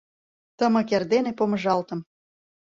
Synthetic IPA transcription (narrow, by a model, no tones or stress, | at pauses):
t̪ə̆mɤ̆kerd̪enepomə̆ʒɑlt̪ə̆m